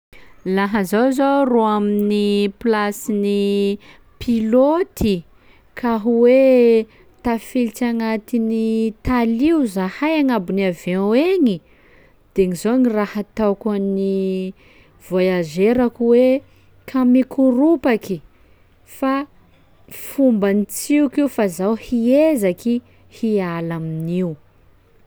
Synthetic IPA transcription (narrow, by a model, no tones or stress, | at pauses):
laɦəzawzoroaminiplasini | pʰilot̪ʰi | kʰaɦuwe | t̪afilt͡ʃaŋat̪init̪aliuzahajaŋabuniaveeŋi | d̪̥eŋizonirahat̪awkanni | v̥ojazeɾakuwe | kʰamikuɾupaki | fa | fumbanit͡siukiufazawhiezaki | hialaminiu